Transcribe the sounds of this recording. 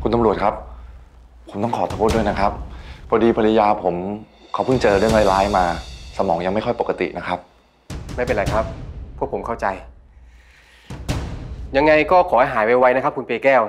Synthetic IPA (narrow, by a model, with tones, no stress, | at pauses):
kʰu˧nt̪a˧mɾu˨˩ət̚kʰa˦˥p̚ʰ | o˩˦mt̪ɔ˥˩kʰɔː˩˦t̪ʰa˧pʰu˥t̪̚du˥˩jna˦˥kʰɾa˦˥p̚bʰɔː˧diː˧pʰa˧li˦˧jaː˧pʰo˩˦mkʰa˦wpʰɯ˥˩ŋt͡ɕɤː˧ɾɯ˥˩əŋla˧˩jlaː˦˥jmaː˧sa˧mɔː˩˦ŋja˧ŋma˥˩jkʰɔ˥˩jpo˨˩ka˧t̪ḭ˨ʔna˦˥kʰɾa˦˥p̚ | ma˥˩jpe˧ɾla˨˩jkʰa˦˥p̚ʰːu˥˩əkpʰo˩˦mkʰa˥˩wt͡ɕa˧j | ja˧ŋːa˧jkɔː˥˩kʰɔː˩˦ha˥˩jɦaː˩˦jpa˧wa˦˥jna˦˥kʰa˦˥p̚ku˧npeː˧kɛː˥˩w